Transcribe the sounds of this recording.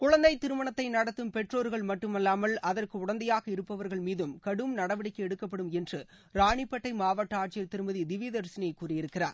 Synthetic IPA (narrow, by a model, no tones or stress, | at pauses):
kʊɻɐnd̪ɐɪt̪ːɪɾɯmɐɳɐt̪ːɐɪnɐɽɐt̪ːɯmpɛʈroːɾɣɐɭmɐʈːɯmɐlːaːmɐlɐðɐrkɯʊɽɐnd̪ɐjaːɣɐɪɾɯpːɐʋɐɾɣɐɭmiːðɯmkɐɽɯmnɐɽɐʋɪɽɐkːɯɛɽɯkːɐpːɐɽɯmɛndrɯ | ɾaːɳɪpːɐʈːɐɪmaːʋaʈːɐaːʈ̚t͡ʃɪjɐt̪ːɪɾɯmɐðid̪ɪʋiːðɐɾsɪnɐjɐɪkːuːrɪjɪɾɯkːɪra̰ːɾ